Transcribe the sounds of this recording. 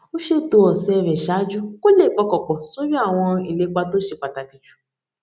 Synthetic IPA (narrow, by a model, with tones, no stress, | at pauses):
o˦ʃe˦to˧˦ɔ˨sɛ˧˨˧vɛ˨ʃa˨˦d͡ʒu˦ko˦le˦˨k͡pɔ˧kɔ˨k͡pɔ˨so˦bi˦a˦˨w̃ɔ̃˧i˨le˨˧k͡pa˧to˦ʃe˧k͡pa˨ta˨ki˨d͡ʒu̥˨